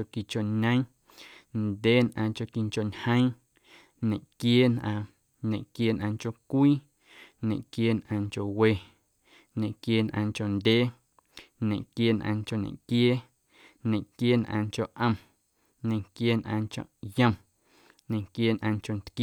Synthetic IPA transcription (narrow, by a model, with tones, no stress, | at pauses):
o˧ki˨t͡ʃo˨ɲə̃˦ | nd̪ʲeː˦nʔã̰ː˧t͡ʃo˧ki˧ŋt͡ʃo˨ɲhə̃˦j̃ | ɲẽ˨ʔkjeː˦nʔãː˧ | ɲẽ˨ʔkjeː˦nʔã̰ː˧ŋt͡ʃo˧kʷiː˦ | ɲḛ̃˨ʔkjeː˦nʔã̰ː˧ŋko˨we˧ | ɲẽ˨ʔkjeː˦nʔã̰ː˧ŋt͡ʃo˨nd̪ʲeː˦ | ɲẽ˨ʔkjeː˦nʔã̰ː˧ŋt͡ʃo˧˨nḛ̃˨ʔkjeː˦ | ɲẽ˨ʔkje˦nʔã̰ː˧ŋt͡ʃo˨ʔə̃˧m | ɲẽ˨ŋkjeː˦nʔã̰ː˧ŋt͡ʃo̰˨ʔjə̃˧m | ɲẽ˨ŋkjeː˦nʔã̰ː˧ŋt͡ʃo˨nt̪k